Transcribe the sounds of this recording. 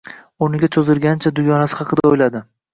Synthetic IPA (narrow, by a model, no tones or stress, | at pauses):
ʊnɪɡʲat͡ʃʰozɪlɡʲant͡ʃʰad̪ʊjɒnasɪ̥χɑqʰɨd̪aojlad̪ɪ